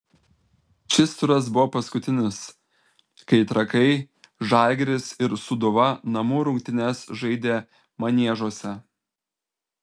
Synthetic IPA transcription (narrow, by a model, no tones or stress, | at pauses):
t͡ʃʲɪst̪ʊɾɐsbʊʋɔpɐskʊt̪ʲɪnʲɪs | kɐɪt̪ɾɐkɐɪ | ʒɑˑlʲɡʲɾʲɪsɪɾsʊd̪ʊʋɐnɐmuːɾʊŋʲk̚ʲt̪ʲɪnʲɛsʒɐɪd̪ʲeː | mɐnʲiɛʒoɔsʲɛ